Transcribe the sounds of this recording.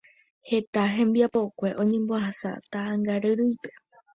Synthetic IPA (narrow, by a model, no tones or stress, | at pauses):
he̞t̪aɦẽ̞mbiapo̞kʷe̞ʔõ̞ɲẽ̞mboaɦasa̰t̪aʔaŋɡaɾɨɾɨjpe̞̥